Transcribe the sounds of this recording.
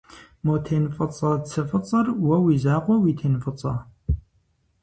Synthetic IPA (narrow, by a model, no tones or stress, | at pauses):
moːt̪ʰeːnfʼɐt͡sʼɑːt͡sʰɨfət͡sʼərwɐwizaːqʷɔwit̪ʰeːnfʼɨt͡sʼɑ